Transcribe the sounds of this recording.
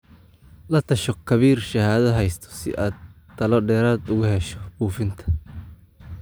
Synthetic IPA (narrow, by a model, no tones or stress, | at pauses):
lɐt̪ʰɐʃɔkʰɐβiːrʃɐhaːðɐɦɛjst̪ʰɔ̥sɪ̰ʔaːd̪̚ʰ | ɐlɔɖɛːɾaːd̪ʊɣʊhɛʃɔbuːfɪnt̪ʰɐ̥